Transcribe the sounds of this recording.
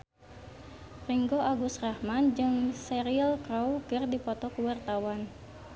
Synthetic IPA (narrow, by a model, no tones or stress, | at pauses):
riŋɡoʔaɡusrahmand͡ʒɨŋsɛɾiəlkɾawkɨrdipɔt̪ɔkuwart̪awan